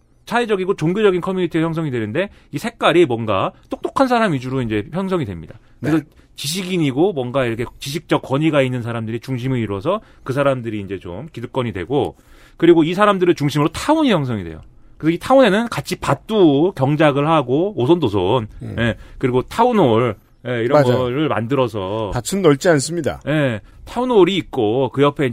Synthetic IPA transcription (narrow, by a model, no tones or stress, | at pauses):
t͡ɕʰaed͡ʑʌɡiɡot͡ɕoŋɡjod͡ʑʌɡinkʰʌmjuɲitʰiajʌŋs̬ʰʌŋidwe̞nɯnde̞isʰe̞k͈aɾimwʌnɡa̰t͈ok̚t͈okʰans̬ʰaɾamid͡ʑuɾoind͡ʑe̞çjʌŋs̬ʰʌŋidwemɲidakɯes̬ʰʌ | t͡ɕiɕ̬ʰiɡiɲiɡomwʌnɡaiɾʌkʰe̞t͡ɕiɕ̬ʰik̚t͡ɕ͈ʌk͈wʌɲiɡainːɯnsʰaɾamdɯɾit͡ɕuŋɕ̬ʰimɯiɾwʌsʰʌ | kɯsʰaɾamdɯɾiːnd͡ʑe̞t͡ɕo̰mkiduk͈ʌɲidwe̞̰ɡo | kɯɾiɡois̬ʰaɾamdɯɾɯnt͡ɕuŋɕʰimɯɾotʰauɲijʌŋs̬ʰʌŋidwḛjo̰ | kɯesʰʌitʰaune̞nɯnkat͡ɕʰipat͈ukjʌŋd͡ʑaɡɯɭhaɡoosʰondosʰonje̞kɯɾiɡotʰaunoɭ | je̞iɾʌnɡʌɾɯɭma̰ndɯɾʌs̬ʰʌatʰɯnːʌɭt͡ɕ͈ians͈ɯmɲida̰je̞ | tʰaunoɾiːt̚k͈okɯjʌpʰe̞i